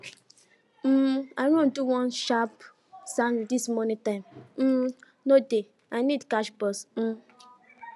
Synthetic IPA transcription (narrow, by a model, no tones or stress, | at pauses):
m̩aɪɾõn̩duwɔ̃nʃap | sãndismɔnĩtãɪmm̩ | node | anidkaʃbɔsm̩